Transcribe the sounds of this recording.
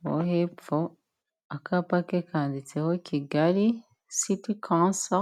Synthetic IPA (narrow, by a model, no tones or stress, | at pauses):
wo̰hefo | akʰapakekʰaːnditehokʰiɡali | sitikʰãːnsa